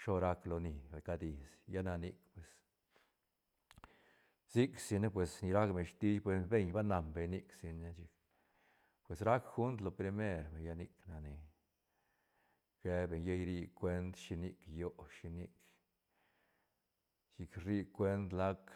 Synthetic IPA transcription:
ʃo˦ɾa˧˦klo˧ni˨ba˨ka˧d̪i˨sja˦na˧ni˧kpwe˨s | si˦ksi˧ne˦p̬we˨sni˧ɾa˦kbe˨ʃt̪i˦jpwe˧be˦˧ɲba˦na˨mbe˨ɲni˧ksi˧ne˦t͡ʃi˧k | pwe˨sɾa˦kxu˦nt̪lo˨pɾi˧me˦ɾbe˨ɲja˦ni˧kna˨ni˨ | ɡ̥e˧be˨ɲje˦jɾi˧kʷwe˧˦nd̪ʃi˧ni˧kjo˨˦ʃi˧ni˧k | t͡ʃi˧kɾi˧kwe˦nd̪la˦k

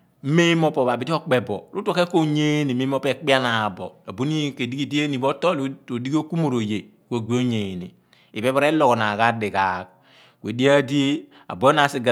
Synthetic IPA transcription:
m̩˦me˦mo˦po˨ba˨bi˦ti˦o˦k͡pe˨bo˨ɾu˦to˦ke˦ko˦ɲe˦ni˨me˦o˦pe˨k͡pi˦a˦na˨bo̰˨a˨bu˦ni˦ke˨di˦ɡi˦di˦e˦ni˨bo˦to˦lo˨di˦ɡo˦ku˦mo˦˨ɾo˨je˨ | ko˨ɡʷi˦o˦ɲe˨nḭ˨ | i˨be˦ba˦ɾe˦lo˨kɔ˨na˨ka˦di˨ka˨˦k̚ | kʷe˨di˦a˦di˦ | a̰˨bo˨˦na˨si˦ɡa˨

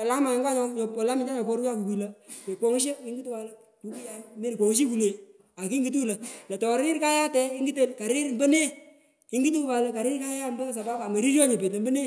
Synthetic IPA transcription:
a˨la˦ma˨ɪ˦ŋɡa˦ɲɔ˦ɲɔ˨pɔ˨la˦mɪ˨nta˦ɔ˨pɔ˦ɾa˦ku˨ki˨lə˦pe˨k͡pɔ˨˦ŋ˦ʃ̬e˦ɪ˦ŋɡi˦tu˦wa˨lə˦ | tu˨ki˦ja˨me˦˨kɔ˨ŋ˦ʃ̬i˦ku˨ne˨ | a˨ki˦ŋɡi˦t̬u˦lə˨la˨tɔ˨ɾɪ˦ɾka˦ja˦tɛ˨˦ɪ˦ŋɡi˦t̬ə˦lka˨ɾɪ˦ɾm̩˦bə˦ne˦ | kɪ˨˦ŋɡi˦t̬u˦ba˨lə˨ka˨ɾɪ˦ɾka˦jja˦m˦bə˦s̬a˨ba˦ba˨mə˨ɾi˦ɾɔ˦ɲe˨pe˨tə˨mbə˦ne˦

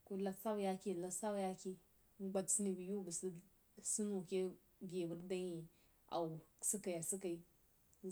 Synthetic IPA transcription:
ku˨la˦sa˦wja˦ki˦˨la˦sa˦wja˦ki˦ | ɡ͡ba˨dsi˦ni˨bi˨ju˦bu˨si˦ | su˦nu˨ke˦ | ɡe˨bu˨ɾda˦ɲi˨ | a̰˨wsi˦ka˨ja˨si˦ka˨i˦

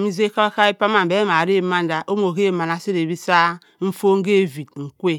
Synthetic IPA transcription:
mi˦ze˦ka˦a˦ka˦e˦pa˦ma˨m˨be˦ma˨ɾe˦ma˦n˦da˨ʔo˦m˦o˨ke˦˨ma˨na˨si˦ɾe˨bi˦sa˦ | m̩˦fo˦ŋ̩˦ɡe˦˨vi˨d̚ŋ̩˨kʷe˦

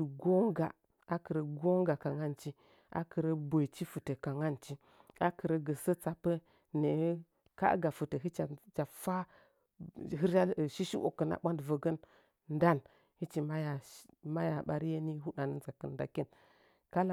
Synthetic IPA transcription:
u˨ɡo˦ŋɡa˨ | a˦kə˨ɾə˨ɡo˦ŋɡa˨ka˨ŋa˦˨nt͡ʃi˦ | ʔa̰˨kə˨ɾə˦bo˨t͡ʃi˦fu˨tə˨ka˨ŋa˦˨nt͡ʃi˦ | a˦kə˨ɾə˦ɡə˨sə˦t͡sa˨pːə˦ | ne˨˦ | ka̰˦ɡa˨fə˨tə˨ɦi˦t͡ʃa˨t͡ʃa˨fa˦ | ɦi˦ɾa˦˨ʃi˦ʃi˦ʔo̰˨kːə˨na̰˨ɓʷa˦ndvə˨ɡə˦n | n˦da˦˨n | hi˦t͡ʃi˨ma˦ja˨ma˦ja˨ɓa˦ɾi˦je˦ni˦ɦu˦ɗa˨nə˦nza˨kə˨n˦da̰˨ki˦n | ka˦la˨

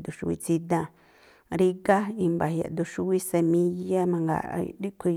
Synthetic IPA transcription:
d̪u˨ʃu˧wḭ˧t͡si˧d̪ã˧ | ɾi˦ɡa˦i˧mba˨hja̰˨ʔd̪u˧ʃu˧wi˦se˧mĩ˧ja˦mã˧ŋɡa̰˨˧˨di˦kʷʰi˧

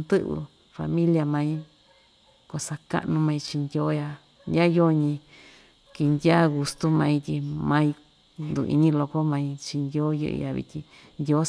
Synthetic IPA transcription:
nd̪ɨ˦ʔβɨ̰˧ | fa̰˧mĩ˦lja˧mã˧ĩ˦ | ko˧sa˧ka̰˦ʔnũ˧mã˧ĩ˧t͡ʃi˧nd̪ʲjo˦ja˧ | ndʲa˦jo˦ɲĩ˧ | ki˧nd̪ʲja˦ɣu˧st̪u˦mã˧ĩ˧t̪ʲi˧mã˧ĩ˧ | nd̪ṵ˧˨ḭ˧ɲĩ˦lo˧ko˦mã˧ĩ˧t͡ʃi˧nd̪ʲo˦jɨ̰˧ʔɨ̰˧ja˧βḭ˧t̪ʲi˧ | nd̪ʲo˦

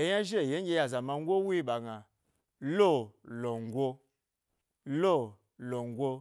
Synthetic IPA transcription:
e˨ja˦ʒe˦˨je˦ɡʲe˧˦ja˨za˨ma˧ŋ̩˦ɡʷo˦wi˦i˦ɓa˨ɡa˨ | lo˦˨lo˨ŋ˨˦ɡʷo˦ | lo˦˨ | lo˨ŋ˨˦ɡʷo˦˧

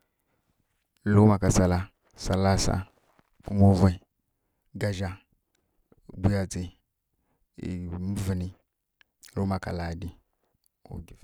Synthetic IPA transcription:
lo˦ma˨ka˨sa˨la˦ | sa˨la˦sa̰˦˨ | mo˦va˦ | ɡa˨ʒa˦˨ | bʷu˦ja˨d͡zi˨ | mə˦vi˨ni˨ | lo˦ma˨ka̰˨la˨di˦ | ṵ˨ɡi˨

